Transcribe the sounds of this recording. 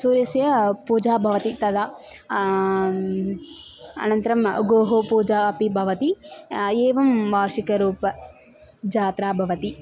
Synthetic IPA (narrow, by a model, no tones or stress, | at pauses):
suːɾjɐsjɐpuːd͡ʒaːbʱɐʋɐt̪it̪ɐd̪aː | ɐ̰nɐnt̪ɐɾɐmɡoːɦopuːd͡ʒaːɐpibʱɐʋɐt̪i | eːʋɐmʋaːɾʂikɐɾuːpɐ | d͡ʒaːt̪ɾaːbʱɐʋɐt̪i